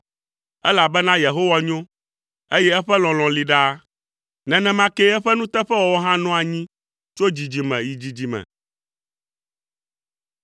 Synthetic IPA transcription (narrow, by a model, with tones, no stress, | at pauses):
ɛ˦la˨bɛ˦nã˦je˨ɦo˦wa˨ɲõ˦ | e˦jɛ˦ɛ˦ɸɛ˦lɔ̃˨lɔ̃˨li˨ɖa˦ | nɛ̃˨nɛ̃˦mã˦ke˦ɛ˦ɸɛ˦nũ˦t̪ɛ˦ɸɛ˦wɔ˨wɔ˦ɦã˦nɔ̃˦a˨ɲĩ˦ | t͡ʃo˦d͡ʑi˨d͡ʑi˨mɛ̰̃˨ji˨d͡ʑi˨d͡ʑi˨mɛ̰̃˨